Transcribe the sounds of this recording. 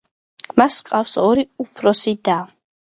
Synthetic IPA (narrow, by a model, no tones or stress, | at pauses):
ɡmasqʼafsɔɾiupʰɾɔsid̪a